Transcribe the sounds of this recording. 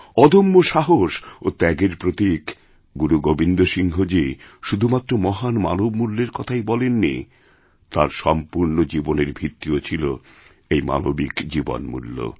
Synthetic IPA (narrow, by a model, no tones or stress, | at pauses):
ɔd̪ʱomːoʃaɦoʃot̪ɛɡeɾpɾot̪ik | ɡuɾuɡobind̪oʃiŋɦod͡ʑiʃud̪ʱumat̪ːɾomɔɦanma̰nobmulːeɾkɔt̪ʰajbɔlenːḭ | t̪aɾʃɔmpuɾnod͡ʑiboneɾbʱit̪ːiot͡ɕʰilo | ejma̰no̰bikd͡ʑibo̰nmṵlːo̰